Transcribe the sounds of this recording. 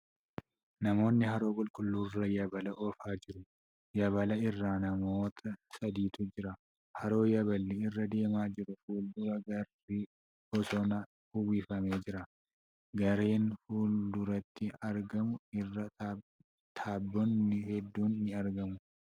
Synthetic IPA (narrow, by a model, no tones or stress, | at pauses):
nɐmo̞ːnːɪhɐɾo̞ːkʼʊlkʼʊlːuːrɐjɐbɐlɐʔɔːfaːd͡ʒɪɾʊ | jɐbɐlɐɪrːaːnɐmo̞ːt̪ʰɐsɐd̪iːt̪ʊd͡ʒɪɾɐ | hɐɾo̞ːjɐbɐlːɪɪrːɐd̪e̞ːmaːd͡ʒɪɾʊfuːld̪ʊɾɐɡɐr | i | ɔsɔnɐ | ʊwiːfɐme̞ːd͡ʒɪɾɐ | ɡɐɾeːnfuːld̪ʊɾɐt̪ːɪɐɾɡɐmʊɪrːɐ | t̪ʰaːbːɔnːɪhɛd̪ːuːnːɪɐɾɡɐmʊ